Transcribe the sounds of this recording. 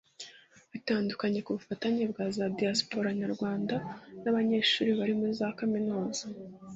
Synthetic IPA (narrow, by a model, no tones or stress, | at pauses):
βataːndukaɲe̞kuβufataɲibɡazadiaspo̞ɾaɲaɾɡwaːndanaβaɲe̞ːʃṵːɾiβaɾimuizaːkaminuːza